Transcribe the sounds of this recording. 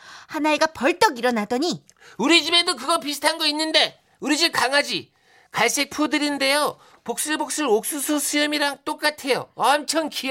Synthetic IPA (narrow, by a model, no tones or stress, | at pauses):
hanaeɡapʌɭt͈ʌɡiɾʌnadʌɲi | uɾid͡ʑime̞dokɯɡʌpisʰɯ̥tʰanɡʌinːɯnde̞ | uɾid͡ʑiɭkaŋad͡ʑi | kaɭs͈e̞k̚pʰudɯɾinde̞jo | pok̚s͈ɯɭbok̚s͈ɯɾok̚s͈usʰusʰɯjʌmiɾaŋt͈ok͈atʰe̞jo̰ʌmt͡ɕʰʌnkʰij